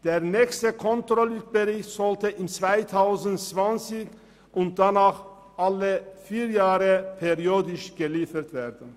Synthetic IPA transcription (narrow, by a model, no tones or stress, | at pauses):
d̥eːɐnɛːçstəkʰɔntʁɔlyb̥əʁɪçtz̥ɔltəʔɪmt͡sv̥aɪtʰaʊzn̩tt͡sv̥ant͡sɪç | ʔʊnt̚d̥anaːχ | ʔaləfiːjaːʁəpʰeʁioːdɪʃɡ̥əliːfətv̥eːɐdn̩